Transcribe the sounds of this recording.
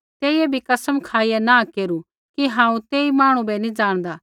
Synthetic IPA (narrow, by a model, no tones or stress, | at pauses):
t̪eːiebʱikɐsəmkʰaːijanãkeːɾu | kiɦãːũt̪eːimaːɽ̃ũbɛnĩd͡ʒaːɽ̃d̪aː